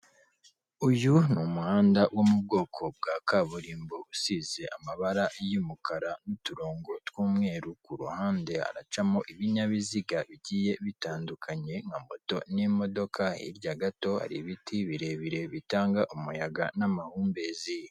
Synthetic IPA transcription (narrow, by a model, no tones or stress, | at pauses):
ujunumuhaːndawʔomub̚ɡo̞ːkʰo̞b̚ɡaːkaβuɾiːmbousize̞ʔamaβaɾaʔjumukʰaɾanutuɾoːŋɡo̞twuːmŋe̞ːɾukuɾṵhaːnde̞a̰ɾa̰t͡ʃamoʔiβiɲaβiziɡaβiɟiːje̞βitaːndukʰaɲe̞ŋamoto̞̰nimo̞do̞kʰaḭɾɟaɡato̞a̰ɾiβitʰiβiɾe̞βiɾe̞βitaːŋɡaʔumujaɡanamahuːmbezi